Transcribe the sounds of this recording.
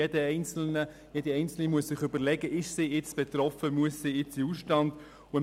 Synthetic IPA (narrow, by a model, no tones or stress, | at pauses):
edəɛɪnt͡sl̩nə | jediɛɪnt͡sl̩nimuəssɪχʏbəɾlɛɡəʔɪʃsijɪt͡sb̥ɛt̪rɾɔfəmuəssiɪt͡siusʃtɑnd | ʊə